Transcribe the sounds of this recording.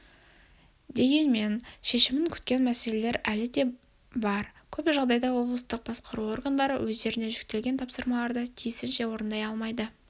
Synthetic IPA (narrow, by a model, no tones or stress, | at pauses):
d̪e̞ɡʲe̞nme̞nʃe̞ʃɪmɪŋkʲʰʏ̥t̪̚kʲe̞nmæse̞le̞le̞ɾælɪd̪e̞ | bɑɾkʲʰɵpʒɑʁd̪ɑjd̪ɑwo̞blˠəst̪əq̚bɑsqəɾuo̞rɡand̪ɑɾə̰wʔɵzd̪e̞ɾɪne̞ʒʏk̚t̪e̞lɡʲe̞nt̪ʰɑpsəɾmɑlˠɑɾd̪ət̪ʰijɪsɪnʃe̞wo̞ɾənd̪ɑjɑlˠmɑjd̪ə